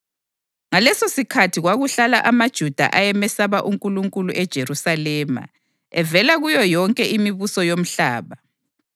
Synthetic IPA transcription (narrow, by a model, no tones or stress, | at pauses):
ŋalɛsosikʰatʰiɣwaɣuɬalaʔamad̥ʒ̥ʱud̥ʱa̰ʔajɛmɛsaβaʔuŋkʼuluŋkʼuluʔɛd̥ʒ̥ʱerusalɛːma̰ | ɛvɛlaɣujɔjɔŋkʼɛʔimiβusɔjom̩ɬaːβa